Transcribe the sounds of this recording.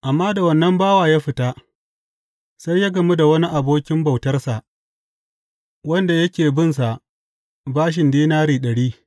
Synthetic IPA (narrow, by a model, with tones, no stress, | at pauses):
ʔa˨mːaː˦da˨wɐ˦˨nːɐ˦mbaː˦waː˨jaː˦ɸɪ˨taː˦ | sa˦jjaː˦ɡɐ˨mu˦da˨wɐ˦ni˦ʔa˨boː˦kʲɪ˦mba˨wtɐ˦rsa˨ʔ | wɐ˦nda˨jɐ˦kʲeː˨bɪ˦ns̬a˨ʔ | baː˦ʃ̬ɪ˨ndiː˦naː˦ɾiː˨ɗɐ˨ɽiː˦